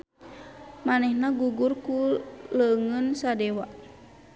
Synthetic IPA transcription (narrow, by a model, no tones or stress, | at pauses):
manɛhnaɡuɡurkuləŋənsadɛwaʔ